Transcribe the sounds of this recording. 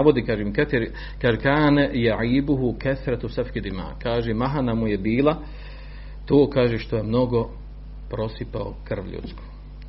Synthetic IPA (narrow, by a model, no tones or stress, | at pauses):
aʋod̪iːkaːʒemkat̪iɾ | kaːʒekaːnajaʕiːbuɦukaθɾat̪safkid̪ima̰ːkaːʒemaɦanamujebiːlˠa | t̪oːkaːʒeʃt̪o̞jemno̞ɡo̞ | pɾo̞sipao̰kr̩ʋʎṵt̪skʰo̥ː